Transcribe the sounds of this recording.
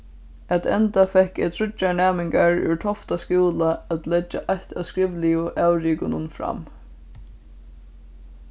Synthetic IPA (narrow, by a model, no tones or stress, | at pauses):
æt̪ɛnt̪afɛhkɛt̪ʰɾʊt͡ʃːaɳæːmɪŋkaɹʉ̰ʈʰɔft̪askuːlaæt̪lɛt͡ʃːaʔajht̪a̰wskɹɪʋlɪʊʔawɾiːkʊnʊnfɾa̰m